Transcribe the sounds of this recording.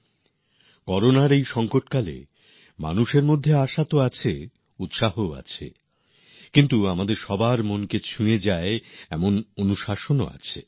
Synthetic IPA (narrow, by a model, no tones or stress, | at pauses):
kɔɾonaɾejʃɔŋkoʈkalḛ | ma̰nuʃeɾmod̪ʱːeaʃat̪oat͡ɕʰe | ut̪ʃaɦoa̰t͡ɕʰḛ | kint̪uamad̪eɾʃɔbaɾmonket͡ɕʰued͡ʑaeɛmononuʃaʃono̰a̰t͡ɕʰe